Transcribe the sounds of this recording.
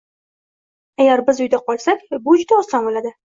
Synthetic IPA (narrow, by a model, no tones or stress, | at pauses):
aɡʲaɾbɪzʊjd̪aqɒlˠsakʲbʊd͡ʒʊd̪aɒslambolad̪ɪ